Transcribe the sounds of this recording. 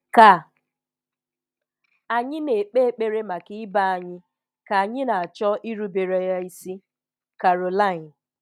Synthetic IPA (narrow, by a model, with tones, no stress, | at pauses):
ka˨ | a˨ɲɪ˦ne˨k͡pe˦k͡pe˦ɾe˦ma˨kɪ˦ɪ˦ba˦a˨ɲɪ˦ | ka˨a˨ɲɪ˦na˨a˨t͡ʃɔ˦ʔi˦ɾu˦be˨ɾe˨ja˦i˦si˦ | ka˨ɾo˨la˦ɪ˨n